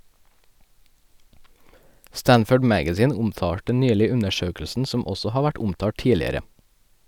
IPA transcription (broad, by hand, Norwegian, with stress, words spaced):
ˈstænfəɖ ˈmæɡæziːn ˈʊmˌtɑːʈə ˈnyːlɪ ˈʉnəˌʃøːkl̩sn̩ ˈsɔm ˈɔsɔ ˈhɑː ˈʋæʈ ˈʊmtɑː ˈʈiːlɪəɾə